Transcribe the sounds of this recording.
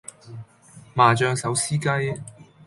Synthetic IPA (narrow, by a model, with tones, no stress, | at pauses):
maː˨t͡ʃœː˧ŋsɐ˨˥wsiː˥kaː˥j